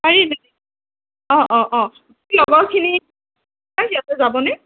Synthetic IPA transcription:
aɹinadi | ɔ̃ʔɔ̃ʔɔ̃ | ilɔɡɔɹkʰini | aijatɛzabɔnɛ

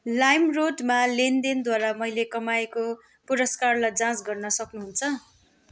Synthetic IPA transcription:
lajmroɖmalend̪ind̪waɾamʌjlekʌmajeko | puɾʌskarlajd͡zãsɡʌrnʌsʌknuɦunt͡sʰʌ

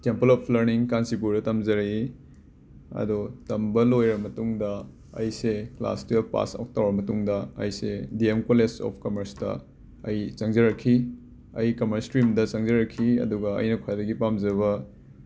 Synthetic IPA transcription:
tempɐlɔpʰlɐɾniŋkansip̬uɾdɐtɐmzɐɾi | ɐ̰dutɐmbɐlojɾɐmɐtuŋdɐ | ɐ̰jsekla̰stijpa̰sa̰k̚tawɾɐmɐtuŋdɐɐ̰jsediemkolesɔ̰p̚ʰkɐmɐɾstɐ̰ | ɐjt͡ʃɐŋzɐɾɐkʰːi | ɐjkɐmɐɾstɾimdɐt͡ʃɐŋzɐɾɐkʰːiɐ̰duɡɐɐ̰jnɐkʰajdɐɡipamzɐβɐ

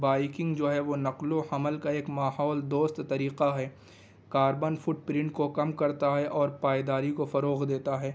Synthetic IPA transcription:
baːɪkɪ̃ŋɡd͡ʒoːɦɛʋonɐqlohɐməlkaeːkmaːhɔːld̪oːst̪t̪ɐɾiːqaɦɛː | kaːɾbənfʊʈ̚pɾɪ̃ɳʈ̚kokɐmkɐɾt̪aɦɛʔɔːɾpaːjd̪aːɾikofɐɾoːɣd̪eːt̪aɦɛː

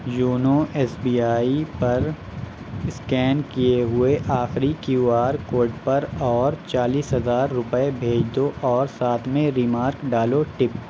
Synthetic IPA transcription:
juːnoɛːsbiːaːipɐɾ | ɪskɛːnkijeɦʊeʔaːxɾikiuaːɾkoːɾɖpɐɾɔːɾt͡ʃaːliːsɦɐzaːɾːʊpəebʱeːd͡ʒd̪oʔɔːɾsaːt̪ʰmẽɾiːmaːɾkɖaːloʈɪp

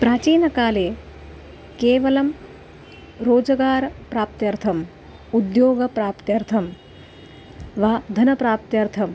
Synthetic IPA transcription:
pɾaːt͡ʃiːnɐkaːleː | keːʋɐlɐm | ɾoːd͡ʒɐɡaːɾɐpɾaːp̚t̪jɐɾt̪ʰɐm | ud̪joːɡɐpɾaːpt̪jɐɾt̪ʰɐm | ʋaːd̪ʱɐnɐpɾaːp̚t̪jɐɾt̪ʰɐm

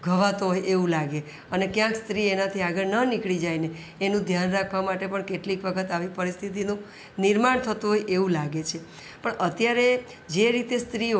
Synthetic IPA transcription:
ɡʱəʋat̪oɦojʔeʋũlaɡe | ənekjãkst̪ɾienat̪ʰiaɡəɭnənikɭid͡ʒajne | enũd̪ʱjanɾakʰʋamaʈepəɳkeʈlikʋəkʰət̪aʋipəɾist̪ʰit̪̬inũ | niɾmaɳt̪ʰət̪ũɦojʔeʋũlaɡet͡ʃʰe | pəɳʔət̪jaɾe | d͡ʒeɾit̪est̪ɾi

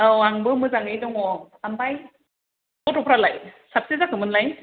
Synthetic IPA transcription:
awaŋbɯmɯzaŋɯjdɔŋɔ | ambaj | kɔtɔpʰɾalajsap̚sizakʰɯmɯnlaj

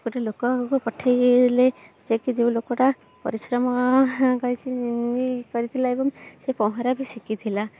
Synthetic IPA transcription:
kuʈelokɔkupɔʈʰːajled͡ʒekid͡ʒeũlokɔʈa | pɔ̰ɾisɾɔmɔkɔɦjt͡ʃʰinikɔɾit̪ʰilaebɔŋsepɔɦɔɾabʱisikit̪ʰila

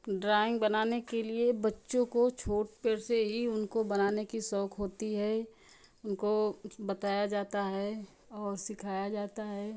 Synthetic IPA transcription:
ɖɾaːɪ̃ŋɡ̚bɐnaːnekeliebɐtːʃõkot͡ʃʰoːʈ̚peɾseɦiʊnkobɐnaːnekisɔːkʰɦoːt̪iɦɛ | ʊnkobɐt̪aːjad͡ʒaːt̪aɦɛː | ɔːɾsɪkʰaːjad͡ʒaːt̪aɦɛː

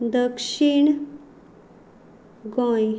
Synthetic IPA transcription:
d̪əkʂiɳ | ɡɔ̃j

